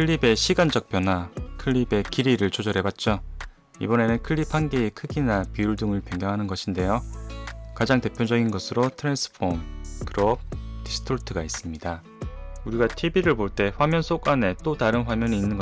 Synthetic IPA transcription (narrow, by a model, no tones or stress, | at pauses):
kʰɯɭːibe̞ɕʰiɡand͡ʑʌk̚p͈jʌnɦwakʰɯɭːibe̞kiɾiɾɯɭt͡ɕʰod͡ʑʌɾɦe̞bat̚t͡ɕ͈o | ḭbʌne̞nɯnkʰɯɭːipʰanɡeːkʰɯɡinapiuɭduŋɯɭpjʌŋɡjʌŋɦanɯnɡʌɕʰinde̞jo | kad͡ʑaŋte̞pʰjod͡ʑʌɡinɡʌsʰɯɾotʰɯɾensʰɯ̥pʰomkɯɾob̚disʰɯ̥tʰoɭtʰɯɡais͈ɯmɲida | uɾiɡatʰibiɾɯɭpoɭt͈e̞ɸwamjʌnsʰok͈ane̞t͈otaɾɯnɸwamjʌɲiːnːɯnɡʌ